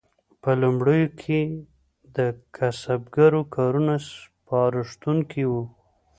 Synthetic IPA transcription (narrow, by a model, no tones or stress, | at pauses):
pəlumɽəjokʰe | d̪əkʰasabɡaɾokʰɑɾunaspɑɾɪʂt̪uŋkʰiwu